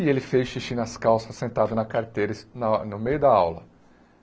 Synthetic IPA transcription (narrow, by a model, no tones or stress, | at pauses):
ɪelɪfejʃiʃĩnɐskawsɐsẽnt̪ad̪ɐnɐkaɾt̪ejɾɪsnɐnʊmejʊd̪ɐawlɐ̰